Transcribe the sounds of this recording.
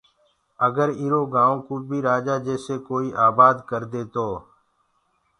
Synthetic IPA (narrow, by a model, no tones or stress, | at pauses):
əɡəɾiɾoːɡãːõːkuːbʱiːɾaːd͡ʒaːd͡ʒeːseːkoːiːʔaːbaːd̪kəɾd̪eːt̪oː